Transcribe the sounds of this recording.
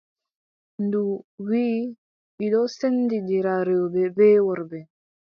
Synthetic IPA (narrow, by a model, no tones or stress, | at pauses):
nduwiː | ɓiɗɔsendid͡ʒiɾaɾɛɔbɛbɛwɔɾbɛ